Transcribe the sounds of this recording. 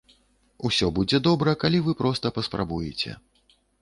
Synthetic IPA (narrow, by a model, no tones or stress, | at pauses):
usʲɔbud͡zʲɛd̪ɔbɾɐkalʲivɨpɾɔst̪ɐpɐspɾa̰bujɛt͡sʲɛ̰